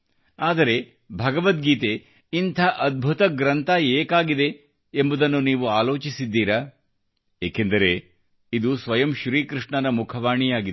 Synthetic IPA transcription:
aːd̪ɐɾe̞ | bʱɐɡɐʋɐt̪̚ɡiːt̪e | int̪ʰaːʔɐd̪̚bʱut̪ɐɡɾɐnt̪ʰaeːkaːɡid̪e̞ | embud̪ɐnːuniːʋuaːlo̞ːt͡ʃisid̪ːiːɾa | eːkend̪ɐɾe̞ | id̪usʋɐjɐmʃɾiːkɾiʂɳɐnɐmukʰɐʋaːɳijaːɡi

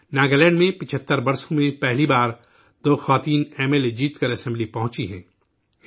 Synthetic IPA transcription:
naːɡəlɛ̃ːɳɖmẽpɪt͡ʃʰət̪ːəɾbɐɾsõmẽpɛɦlibaːɾ | d̪̥oːxɐʋaːt̪iːnɛːmeled͡ʒiːt̪kəɾɐsɛ̃mblipɐɦʊ̃t͡ʃiɦɛ̰̃ː

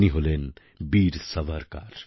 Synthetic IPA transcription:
niɦolen | biːɾsɐʋʱəɾka̰ɾ

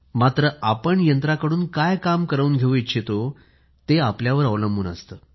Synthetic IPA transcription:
mat̪ɾəʔapəɳjənt̪ɾakəɽuːnkajkamkəɾəuːnɡʱeʋuitːɕʰet̪o | t̪eapljaʋəɾəʋləmbʱṵːnə̰st̪əː

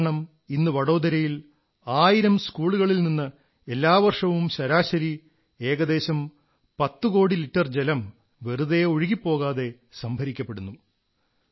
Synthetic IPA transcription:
ɳɐm | inːɨʋɐɽo̞ːd̪ɐɾɐjil | aːjiɾɐmskuːɭuɣɐɭilninːɨ | elːaːʋɐrʂɐʋumɕɐɾaːɕɐɾi | eːɣɐd̪e̞ːɕɐm | pɐt̪ːuko̞ːɽiliʈːɐrd͡ʑelɐm | ʋe̞ruðɐjoɻiɣipːo̞ːɣaːðe̞ | sɐmbʱɐɾikʲːɐpːe̞ɽunːu

